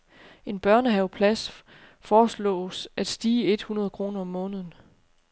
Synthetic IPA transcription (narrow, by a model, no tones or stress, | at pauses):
e̝nb̥ɶɐ̰nəɦɛʊpʰlæs | fɒːslɔ̰̽ːsʔæd̥sd̥iːəe̝d̥hunɐð̞ˠkʰʁo̝ːnɐɒ̽mːɔ̽ːnəð̞ˠn̩